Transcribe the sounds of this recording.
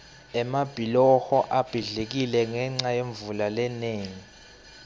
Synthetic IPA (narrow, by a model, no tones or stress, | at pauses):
ɛmab̥ʱilɔxɔʔab̥ʱiɮek̬ilɛŋɛŋ͡ǀajeɱvulalɛneːŋi